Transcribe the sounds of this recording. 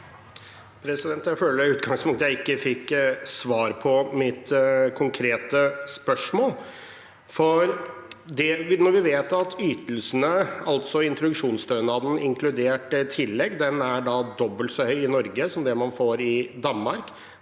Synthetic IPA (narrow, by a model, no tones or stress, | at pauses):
pʰɾɛsɪd̪ɛnt̪jæɪføːləɾʉːt̪̚ɡɑŋspʰʊŋkt̪əjæɪɪkːəfɪkːsʋɑːɾpʰɔmɪt̪kʰʊŋkʰɾeːt̪əspœʂmoːl | fɔɾd̪ɛʋnɔɾʋɪʋeːt̪ɑt̪ʰyːt̪əl̩sənəɑlt̪sɔɪnt̪ɾʊd̪ʉkʂuːnst̪œʉnɑd̪n̩ɪŋkʰlʉd̪eːʈt̪ʰɪlːɛɡd̪ɛnæɖɑd̪ɔbːəlt̪sɔhœʏɪnɔɾɡəsɔmd̪ɛmɑnfoːɾɪd̪ɑnmɑɾk